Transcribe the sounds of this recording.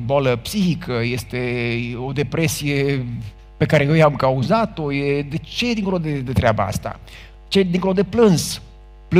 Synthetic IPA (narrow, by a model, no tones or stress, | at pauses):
baləpsiçikʰəje̞st̪e̞o̞d̪e̞pɾe̞sije̞ | pe̞kaɾe̞jejamkauzat̪o̞jed̪e̞t͡ʃejed̪iŋkolod̪e̞d̪e̞t̪ɾeaba̰a̰st̪a̰ | t͡ʃed̪iŋkolod̪eplɨnz | p